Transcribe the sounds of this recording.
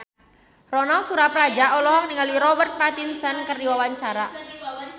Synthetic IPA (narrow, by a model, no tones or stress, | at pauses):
rɔnalt̪suɾaplad͡ʒaʔɔlɔɦɔk̚niŋalwiɾɔbərt̪̚pat̪insənkərdiwawaɲt͡ʃaɾa